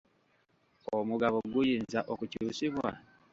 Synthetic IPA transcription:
omuɡaβoɡujiːnzaʔokucuːsiβwa̰

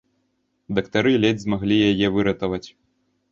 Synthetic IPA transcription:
d̪ɐkt̪aɾɨlʲɛdʲzmaɣlʲijajɛvɨɾɐt̪ɐvɐt͡sʲ

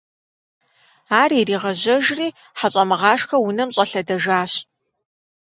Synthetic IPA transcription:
aːririːʁɐʑɐʒriː | ħaɕʼɐmɨʁɑːʂxɐwʊnɐmɕʼɐɬɐdɐʒaːɕ

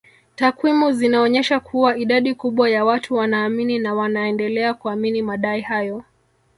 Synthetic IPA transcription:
takwimuzinaɔɲɛʃakʰuwaiɗaɗikuɓwajawatʰuwanaːmininawanaɛndɛlɛakuaminimaɗaihajɔ

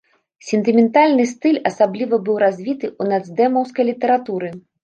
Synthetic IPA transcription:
sʲɛnt̪ɨmʲɛnt̪alʲnɨst̪ɨlʲɐsablʲivɐbɨwɾazʲvʲit̪ɨʔunad̪zd̪ɛmɐwskɐjlʲit̪ɛɾat̪uɾɨ

